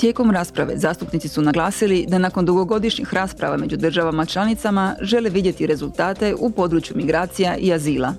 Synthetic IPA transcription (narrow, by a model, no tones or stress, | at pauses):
t̪je̞ːko̞mɾaːspɾaʋe̞̰zaːst̪upnit̪si̥sunaɡlaːsilid̪anako̞nd̪uɡo̞ɡo̞d̪iʃɲixɾaːspɾa̰ʋa̰me̞d͡ʒud̪r̩ʒaʋamat͡ʃlˠanit̪samaʒe̞leʋid̪je̞t̪iɾe̞zulˠt̪aːt̪e̞ʔupo̞d̪ɾut͡ʃjumiɡɾaːt̪sijaʔiaziːlˠa̰